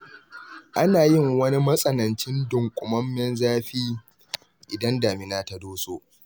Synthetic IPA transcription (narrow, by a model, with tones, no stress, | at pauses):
ʔa˦naː˨jɪ˦˨ŋwɐ˦ni˦mɐ˦sʼɐ˦nɐ˨nt͡ʃɪ˦ndʊ˨ŋkʷʼʊ˨mɐ˦mːɛ˦nzaː˦ɸiː˦ | ʔɪ˨dɐ˦ndaː˨mɪ˨naː˦ta˦doː˦soː˦ʔ